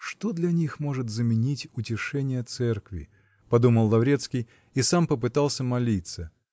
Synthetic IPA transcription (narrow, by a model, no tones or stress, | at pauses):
ʂt̪o̞d̪lʲɐnʲixmo̞ʐɨt̪zəmʲɪnʲitʲʊtʲɪʂɛnʲɪjət̪sɛrkvʲɪ̰ | pɐd̪uməlˠlːˠɐvɾʲe̞t̪skʲɪj | isampəpɨt̪alˠsʲəmɐlʲit̪sə